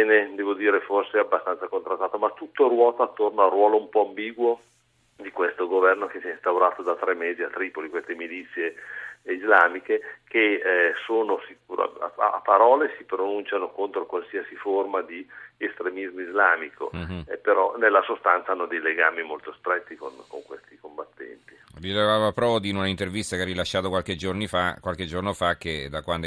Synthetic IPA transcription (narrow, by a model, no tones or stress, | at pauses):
ɛːned̪ɛːvod̪iːɾeforseabːast̪ansakont̪ɾast̪ːaːt̪omat̪ːut̪ːorwɔːt̪aːt̪ːornoarːwɔːloumpɔambiːɡwo | d̪ikwest̪oɡovɛrnokesiɛist̪awɾaːt̪od̪at̪ɾɛmːeːziat̪ːɾiːpolikwest̪emilit̪sːjeizlaːmikekesoːnosikuːɾa̰a̰a̰a̰pːaɾɔːlesipɾonunt͡ʃanokont̪ɾokwalsiasiformad̪iest̪ɾemizmoizlaːmikʰo̰epeɾɔnelːasost̪ant̪saanːod̪ejleɡaːmimolt̪ost̪ɾɛt̪ːikonkoŋkwest̪ikombat̪ːɛ̰nt̪ivilevaːvapɾɔːd̪iːnunaint̪ervist̪akerilaʃːaːt̪okwalked͡ʒornifakːwalk̟ed͡ʒornofak̟ːed̪akwand̪o